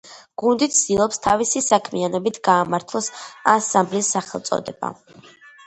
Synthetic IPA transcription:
ɡ̥und̪it̪sd̪̥ilˠɔpst̪ʰavisisakʰmianɔbit̪ʰɡaːmaɾt̪ʰlˠɔsasamblisːaχɛlˠt̪sʼɔ̰d̪ɛba̰

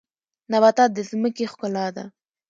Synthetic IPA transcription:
naβat̪ɑd̪əzməkexkʊlɑd̪a̰

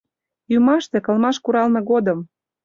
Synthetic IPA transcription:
jymɑʃt̪ĕkɤ̆lmɑʃkuɾɑlnɤ̆ɣod̪ɤm

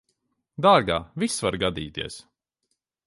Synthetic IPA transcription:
d̪aːɡaːvisvaɾɡad̪iːt̪iɛs

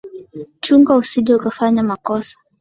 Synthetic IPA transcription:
t͡ʃuŋɡausiʄɛukafaɲamakɔsḁ

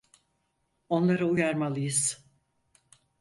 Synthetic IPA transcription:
o̞nlˠaɾaujaɾmalˠɯjɯz̥

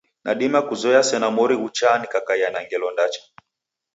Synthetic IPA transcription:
naɗimakuzɔɛasɛnamɔɾiut͡ʃanikakaianaŋɡɛlɔndat͡ʃḁ

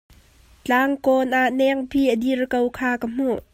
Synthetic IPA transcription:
t͡ɬaːŋkɔnʔaʔnɛŋpʰiːʔədirkəwkʰaːkəm̥uʔ

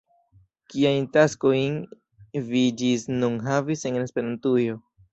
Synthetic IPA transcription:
kiajntasko̞jn | vid͡ʒisnunɦavise̞nnespe̞ɾantujo̞

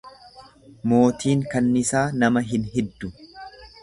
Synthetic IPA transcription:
mo̞ːt̪iːŋkɐnːɪsaːnɐmɐɦɪnɦɛd̪ːʊ

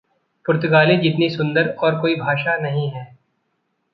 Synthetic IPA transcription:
pʊɾt̪ʊɡaːlẽd͡ʒɪt̪nisʊ̃nd̪əɾɔːɾkoːibʱaːʃanɐɦĩɦɛ̃ː

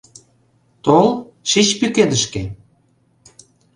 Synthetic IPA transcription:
t̪ol | ʃit͡ɕpyked̪ə̆ʃke

